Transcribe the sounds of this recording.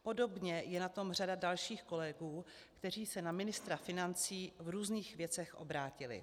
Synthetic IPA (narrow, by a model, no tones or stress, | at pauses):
po̞do̞bɲɛjɛnat̪o̞mr̝adadalʃiːxko̞lɛɡuː | kt̪ɛr̝iːsɛnamɪnɪst̪ɾafɪnant͡siːvɾuːzniːxvjɛt͡sɛxʔo̞̰bɾaːcɪlɪ̰